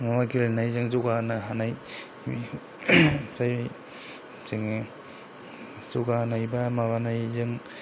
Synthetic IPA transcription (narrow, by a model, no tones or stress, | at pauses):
mamaɡilnajzɯŋzuɡanaɦanaj | mi | saj | seŋe | zuɡanajbamaβanajzɯŋ